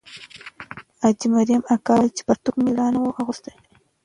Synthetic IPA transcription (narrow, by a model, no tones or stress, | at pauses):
at͡ʃɪmaɾijamakaːt͡ʃɪ̥paɾt̪ʊkmɪlaːnawawʔɑɣʊst̪aj